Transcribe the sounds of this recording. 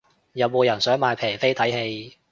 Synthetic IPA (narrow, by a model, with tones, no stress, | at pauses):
jɐ˨˧wmoː˨˧jɐ˨˩nsœː˨˥ŋmaː˧jpʰɛː˨˩jfe˥jt̪ʰɐ˨˥jhe˧j